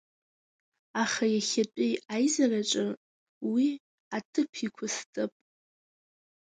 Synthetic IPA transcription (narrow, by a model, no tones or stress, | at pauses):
aχajaχʲatʷʼejajzaraʈ͡ʂʼɨ | wi | atʰɨpʰikʷʰʊstʼɨpʼ